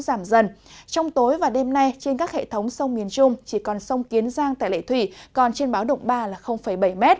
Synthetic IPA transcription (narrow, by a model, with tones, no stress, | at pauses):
zaː˧˩mzə˨˩nt͡ɕɔ˧wŋ͡mt̪o˨˦jvaː˨˩ɗe˧mna˧jt͡ɕe˧nkaː˦˥k̚hḛ˧˨t̪ʰə˨˦wŋ͡msə˧wmi˨˩ənt͡ɕʊ˧ŋ͡mt͡ɕi˧˩kɔ˨˩nsə˧wŋ͡mki˨˦ənzaː˧ŋt̪a̰ː˧˨lḛ˧˨t̪ʰwi˧˩kɔ˨˩nt͡ɕe˧nɓaː˨˦wɗə̰˧˨wŋ͡mɓaː˧laː˨˩xə˧wŋ͡mfə˧˩jɓə˧˩jmɛ˦˥t̚